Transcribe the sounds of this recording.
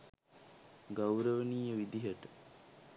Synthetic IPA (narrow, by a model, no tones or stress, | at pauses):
ɡawɾəʋəniːjəʋid̪iɦəʈə